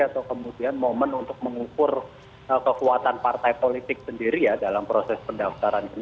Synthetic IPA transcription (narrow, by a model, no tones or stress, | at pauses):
at̪awkəmudianmomənunt̪ʊk̚məŋukʊr | əkəkuat̪anpart̪ajpolit̪ɪk̚səndiɾijadalampɾosɛspəndaft̪aɾanin